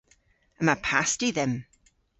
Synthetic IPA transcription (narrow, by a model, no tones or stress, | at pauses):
əmapʰastiðɛm